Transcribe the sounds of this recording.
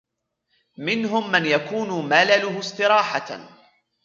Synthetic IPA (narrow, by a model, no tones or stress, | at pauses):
mɪnɦʊmːanjakuːnʊmalalʊhʊsˤt̪ɨɾɑːħa